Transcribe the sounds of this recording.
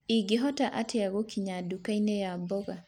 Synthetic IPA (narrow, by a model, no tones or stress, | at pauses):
iɡiɦɔtaʔatʰɛjaɡɔkiɲadukajnɛjabɔɡa